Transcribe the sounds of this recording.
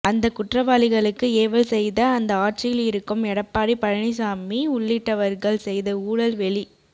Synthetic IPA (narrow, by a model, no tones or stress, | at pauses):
ɐnd̪ɐkʊʈrɐʋaːlɪɣɐɭɯkːɯeːʋɐlsɛjðɐːnd̪ɐaːʈ̚t͡ʃɪjɪlɪɾɯkːɯmɛɽɐpːaːɾipɐɻɐɳis̬aːmiʊɭːɪʈːɐʋɐɾɣɐɭsɛjðɐuːɽɐlʋɛɭi